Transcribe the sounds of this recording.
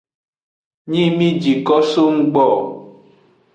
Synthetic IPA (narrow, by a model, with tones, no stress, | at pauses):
ɲĩ˦mĩ˦d͡ʒi˨kɔ˦so˦ŋ̩˦ɡ͡bɔ˦˨